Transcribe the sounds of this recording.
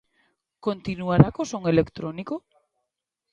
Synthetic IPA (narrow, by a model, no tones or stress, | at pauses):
kont̪inuaɾakosoŋelekt̪ɾoniko